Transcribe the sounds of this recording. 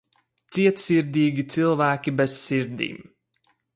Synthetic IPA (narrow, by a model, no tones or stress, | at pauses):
t̪siɛt̪siɾd̪iːɡʲit̪silˠvæːkʲibɛsːiɾd̪ḭːm